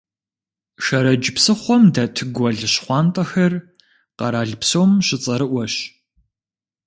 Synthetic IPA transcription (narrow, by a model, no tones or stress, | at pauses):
ʃɐɾɐd͡ʒɪpsɨχʷɔmdɐtʰɨɡʷɔɮɨɕχʷɑːntʼɐxɐr | qɐɾaːɮpsoːmɕɪt͡sʼɐɾɨʔʷɔɕ